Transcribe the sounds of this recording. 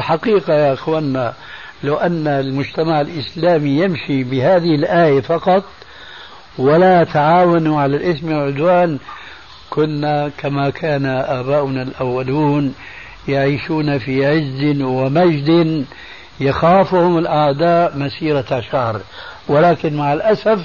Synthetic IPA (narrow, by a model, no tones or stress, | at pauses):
ɪlħaqiːqajaʔɪxwaːnːa | lawʔanːalmʊd͡ʒt̪amaʕɪlʔɪslaːmijɪmʃibɪhaːðɪhɪlʔaːjafɑqɑt̪ˤ | walat̪aʕaːwanuʕalalʔɪsmalʕʊd̪waːn | kʊnːakʰamakʰaːnaʔaːbaːʔʊnalʔawːaluːn | jaʕiːʃuːnafiʕɪzd̪ɪnwɪmad͡ʒd̪ɪn | jaxaːfʊhʊmɪlʔaʕd̪aːʔmasiːɾaaʃahɾwɪlaːkɪnmaʕɪlʔasaf